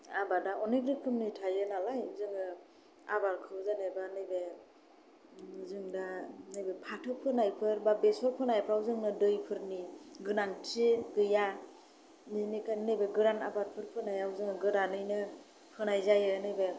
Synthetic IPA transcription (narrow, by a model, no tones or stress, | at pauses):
abadaʔɔniɡɾikʰɯmnɯjtʰajɯnalajzɯŋɯ | a̰baɾkʰɯzanebanɯjbe | zɯŋdanɯjbepʰatʰɯpʰɯnajpʰɯɾbabesɔɾpʰɯnajpʰɾawzɯŋnɯdɯjpʰɯɾniɡɯnantʰiɡɯja | ninikʰajnɯjbeɡɯɾana̰baɾpʰɯɾpʰɯnajawzɯŋɯɡɯɾanɯjnɯ | pʰɯnajzajɯnɯjbe